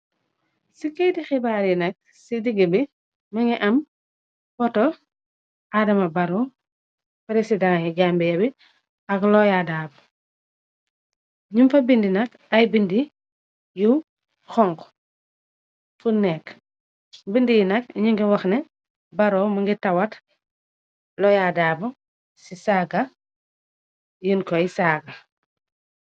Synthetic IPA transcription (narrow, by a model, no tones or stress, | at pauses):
sikejtixibaːɾjinɐk̚ | sidiɡəbi | mɐŋɡiʔɐm | pɔtɔ | adɐmɐbɐɾɔ | pɾesidãŋjiɟambɛjɐbi | ɐklɔjadaːb | ɲumfɐbindinɐk | ɐjbindi | ju | xɔŋɡ | funɛk | bindijinɐkɲiŋɡiwɐxnɛ | bɐɾɔːmɐŋɡitɐwɐt | lɔjadaːbɐ | sisaːɡɐ | jinkɔjsaːɡɐ